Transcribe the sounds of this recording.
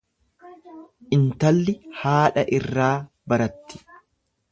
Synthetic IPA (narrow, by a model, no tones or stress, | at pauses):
ʔɪnt̪ɐlːɪhaːᶑɐʔɪrːaː | bɐɾɐt̪ːɪ̥